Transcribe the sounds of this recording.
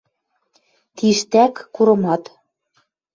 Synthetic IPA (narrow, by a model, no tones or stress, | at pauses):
t̪iʃt̪ækːuɾɤ̆mɑt̪